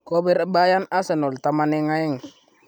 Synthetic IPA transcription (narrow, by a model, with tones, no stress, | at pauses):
ko˦bi˦ɾa˦ba˦ja˦na˦se˨no˨lta˦ma˦ne˦ŋa˦ji˦ŋ˨